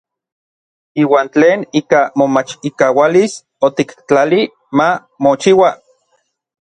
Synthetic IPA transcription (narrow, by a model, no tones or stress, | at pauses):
iːwaːnt͡ɬeːniːkamomat͡ʃikawalis | ot̪ikt͡ɬali | ma | mot͡ʃiwa